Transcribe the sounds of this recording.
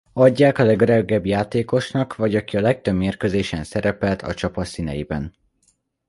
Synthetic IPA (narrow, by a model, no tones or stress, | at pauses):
ɒɟːaːkɒlɛɡøɾɛɡːɛbjaːt̪eːko̞ʃnɒkvɒɟɒkiɒlɛk̚t̪ø̞bmeːrkø̞zeːʃɛnsɛɾɛpɛlt̪ʰɒ̰t͡ʃɒpɒsinɛ̰jibɛ̰n